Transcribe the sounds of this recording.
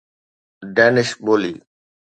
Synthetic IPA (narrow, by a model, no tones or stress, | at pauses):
ɖɛːnɪʃboːli